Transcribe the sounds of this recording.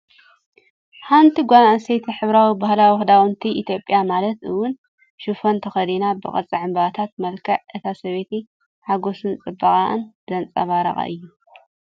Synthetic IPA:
ħant̪ʰiɡʷanasejt̪ʰiħɨβɾawibahlawɨxd̪awɨnt̪ʰiʔit̪ʰjo̞pʼːjamalɐt̪ʔɨwːʊn | ʃufont̪ʰɐxɐd̪inabɨχʼɐ̰t͡sʼiʕɨmbaβat̪ʰat̪̚mɐlkʰɐʕʔɨt̪ʰasɐβet̪ʰi | ħaɡo̞sɨnt͡sʼɨbːɐχʼa̰ʔɨ̰nd̪̥ɐnt͡sʼaβaɾɐ̰χʼa̰ʔɨjːu

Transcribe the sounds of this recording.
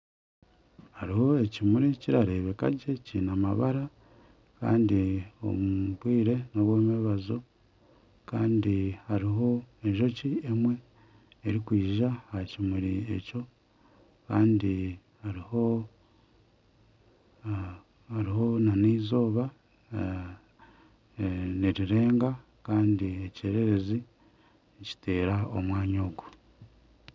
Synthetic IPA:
haɾiho̞e̞cimuɾiciɾaɾe̞βe̞ka̰ɟe̞ciːnamaβaɾa | ka̰ːndio̞̰muuβwiːɾe̞noβweːmeβazo̞ | kaːndihaɾiɦo̞e̞ɲʒo̞ciemwe̞ | eɾikwiːʒahacimuɾie̞̰co̞ | kaːndi | haɾiho | haɾiɦo̞naniːzo̞ːβa | niɾiɾe̞ːŋɡa | kaːndieceːɾe̞ɾe̞zi | eci̥te̞ːɾao̞mwaːɲo̞ːɡu

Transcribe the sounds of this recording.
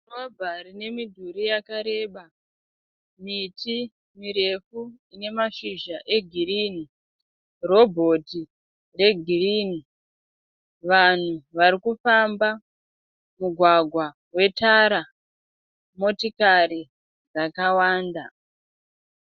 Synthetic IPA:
robʱarine̞midʱuɾijakaɾe̞ːɓa | miti | miɾe̞fuine̞maʃiʒaʔe̞ɡʱiriːni | ro̞bʱo̞ti | re̞ɡʱiriːni | ʋan̤uʋaɾikufamba | muɡʱwaɡʱwa | we̞taɾa | mo̞tikaɾi | d͡zakawaːnda

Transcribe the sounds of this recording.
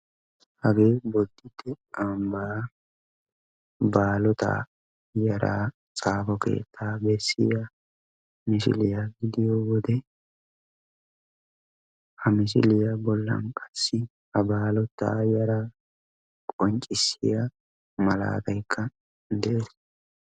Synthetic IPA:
hɐɡeːbɔd̪ːɪt̪ːɛ | ɐmbaː | baːlɔt̪a̰ː | jɐɾa̰ː | t͡sʼaːfɔke̞̰ːt̪ʰːaːbɛsːɪja | mɪsɪ̰lɪjaɡɪd̪ɪjɔwɔd̪ɛ | hɐmɪsɪ̰lɪjabɔlːɐ̰nkʼɐ̥sːɪ | hɐbaːlɔt̪ːa̰ːjɐɾaː | kʼɔnt͡ʃʼɪsːɪja | mɐla̰ːt̪ɐjkʰːɐ | d̪ɛʔɛ

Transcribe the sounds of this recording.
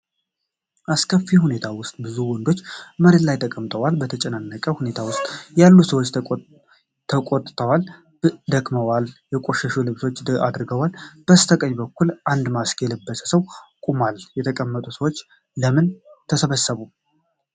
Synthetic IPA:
ʔaskʰəfːihune̞t̪ʰawʊst̪ʼbɨzuwɔnd̪o̞t͡ʃːməɾet̪lajt̪ʰəkʼəmt̪ʼəwalbət̪ʰət͡ʃʼɛnanːəkʼəhune̞t̪ʰawʊst̪ʼjalːusəwot͡ʃː | t̪ʰəkʼot̪ʼt̪ʰəwal | d̪əkʼməwaljɛkʼo̞ʃəʃulɨβso̞t͡ʃːa̰d̪ɾɨɡəwalb̥əst̪ʰəkʼəɲbəkːulʔand̪maskʰjɛlɨbːəsə̥səwkʼumaljɛt̪ʰəkʼəmːət̪ʼusəwo̞t͡ʃː | ləmɨnt̪ʰəsəβəsːəβu

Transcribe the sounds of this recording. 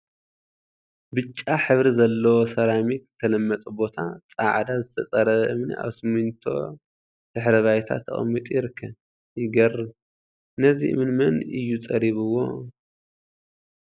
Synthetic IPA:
bɨt͡ʃʼːaħɨβɾizɐlːɐwosɐɾamit̪z̥ɨt̪ʰɐlɐmːɐt͡sʼɨbo̞t̪ʰa̰t͡sʼaʕd̪azɨt̪ʰɐt͡sʼɐɾɐʔɨmna̰βsɨmunt̪ʰo̞̰ | d̪̥ɨħɾɐβajt̪ʰa̰t̪ʰːɐ̰χʼɐ̰mːit̪ʼjɪɾɨkʰːɐ | jɪɡɐrɨ | nɐziʔɨ̰mɨnmɐnɨjːut͡sʼɐɾiβɨwo̞̰

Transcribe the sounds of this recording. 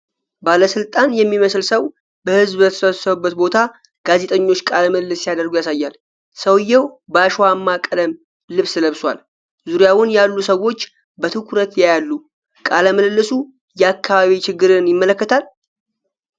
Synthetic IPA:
baləsɨlt̪ʼanjɛmːiməslsəw | bəhɨzbbət̪ʰsəsəβbːət̪bo̞t̪ʰa | ɡ̥aze̞t̪ʼəɲːo̞t͡ʃːkʼaləməlɨlːɨsːijad̪əɾɡujasajːal | səwjːɛwbəaʃwamːakʼələm | lɨβsləβswa̰l | zuɾjawʊnjalːusəwo̞t͡ʃː | bət̪ʰɨkʰɾət̪jajalːu | kʼaləməlɨlːɨsu | jɛakːaβaβit͡ʃɪɡːɨɾɨnjɪmːələkːət̪ʰal

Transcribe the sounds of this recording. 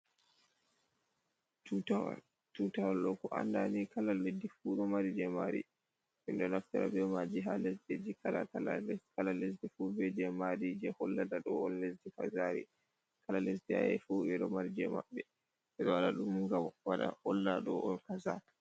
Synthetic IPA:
aw | t͡ʃutawalɗɔkɔʔa̰ndanikalaledifuɗɔmaɾid͡ʒɛmaɾḭ | ʔinɗɔnaftaɾa̰bɛmad͡ʒiɦalesded͡ʒikʰala̰kalakalalesdifubɛd͡ʒɛmaɾid͡ʒɛhɔlːadaɗɔɔnlesdikazaːɾḭ | kalalesdia̰jɛ̰fuːɓɛɗɔmaɾid͡ʒɛma̰ɓːɛ | ɓɛɗɔwaɗaɗumŋɡamwaɗa̰hɔlːaɗɔʔɔnkaza̰

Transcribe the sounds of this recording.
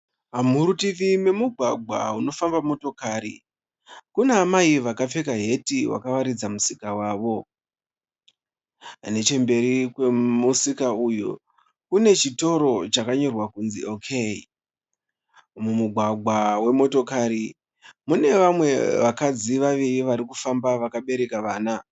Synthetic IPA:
ɦamuɾutiʋime̞muɡʱwaɡʱwa̰uno̞fambamo̞to̞kaːɾḭ | kuneːmaiʋakap͡fe̞kaɦe̞tiwa̰kaʋaɾid͡zamusikawaːʋo̞ | ɦa̰ne̞t͡ʃe̞mbe̞ɾikwemusikaujṵ | kune̞t͡ʃito̞ɾo̞t͡ʃakaɲo̞rwakunziokʰei | mumuɡʱwaɡʱwawe̞mo̞to̞kaːɾi | mune̞ʋamwe̞ʋakad͡ziʋaʋiriʋaɾikufambaʋakaɓe̞ɾe̞kaʋaːna

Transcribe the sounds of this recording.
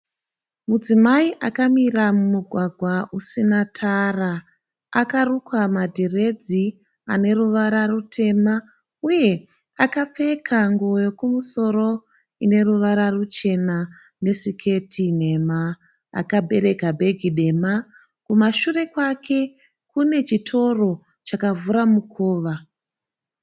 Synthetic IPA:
mud͡zimaiʔakamiramumuɡʱwaɡʱwaʔusinatʰara | akarukwamadʱire̞d͡zi | ane̞ruʋaɾarutʰe̞ma | uje̞ | akap͡fe̞kʰaŋɡojo̞kumuso̞ɾo̞ | ine̞ruʋaɾarut͡ʃe̞na | ne̞sikʰe̞tʰine̞ma̰ː | kabʱe̞ɾe̞kabʱe̞ɡʱiɗema | kumaʃure̞kwakʰe̞ | kune̞t͡ʃitʰo̞ro̞ | t͡ʃakavuɾamukʰoːʋa

